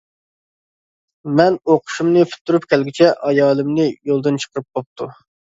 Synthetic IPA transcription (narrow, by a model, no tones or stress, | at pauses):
mɛnoqʰʊ̥ʃumnɨpʰy̥t̪ʰːuɾupkʲɛlɡʲit͡ʃʰɛʔɑjɑːlˠɨmnɨjolˠd̪ɨnt͡ʃʰə̥qʰəɾɨp̚bop̚t̪ʰu